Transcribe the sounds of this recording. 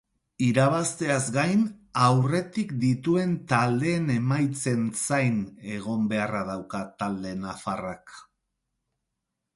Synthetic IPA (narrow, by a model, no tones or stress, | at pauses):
iɾaβast̪e̞azɡajnawre̞t̪ikd̪it̪ue̞nt̪ald̪e̞ːne̞majt͡se̞nsajne̞ɣ̞o̞mbe̞araðawkat̪ald̪e̞nafarak